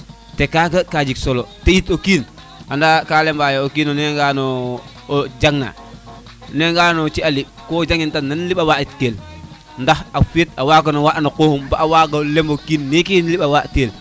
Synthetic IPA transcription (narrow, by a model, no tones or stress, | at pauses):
tekaɡəkad͡ʒiksoloteitokiːn | andakalɛmbajookiːnoneŋɡano | d͡ʒaŋna̰ | neŋɡanot͡ʃialiɓ | kod͡ʒaŋintanːanliɓawaitkel | ndahafetawak̬onowaʔnakohumbaʔawaɡolembokiːnːekinliɓawaʔtkel